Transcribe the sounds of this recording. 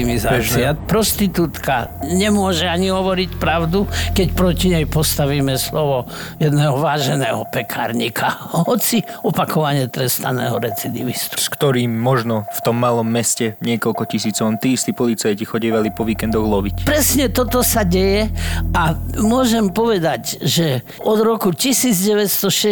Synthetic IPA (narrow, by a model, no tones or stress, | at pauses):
imizaiapɾɔst̪it̪uːt̪ka̰ɲɛmʊɔʒɛaɲiɦɔʋɔɾicpɾaʊd̪ukɛcpɾɔciɲɛjpɔst̪aʋiːmɛslɔʋɔ | jɛd̪nɛːɦɔʋaːʒɛnɛːɦɔpɛkʰaːɾɲikʰaɦɔt͡siɔpakʰɔʋaɲɪɛt̪ɾɛst̪a̰nɛ̰ːɦɔɾɛt͡sid̪ḭʋist̪u̥skt̪ɔɾiːmːɔʒnɔft̪ɔmːalɔmːɛscɛɲɪɛkɔlkɔcisiːt͡sɔʊmt̪iːst̪ipɔlit͡sajcixɔɟiːʋalipɔʋiːkɛnd̪ɔɣlɔʋicpɾɛsɲɛt̪ɔt̪ɔsaɟɛjɛamʊɔʒɛmpɔʋɛd̪aɟʒɛ | ɔd̪ɾɔkucisiːd͡zɟɛʋɛst̪ɔʃɛ